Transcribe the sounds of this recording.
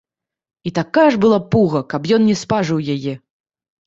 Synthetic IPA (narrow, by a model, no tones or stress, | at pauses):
it̪akajɐʐbɨlˠapuɣɐkɐpjɔnnʲɛspaʐɨwjajɛ